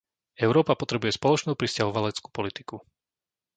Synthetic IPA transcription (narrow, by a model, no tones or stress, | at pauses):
ɛʊɾɔːpapɔt̪ɾɛbujɛspɔlɔt͡ʃnuːpɾiscaɦɔʋalɛt͡sku̥ːpɔlit̪i̥ku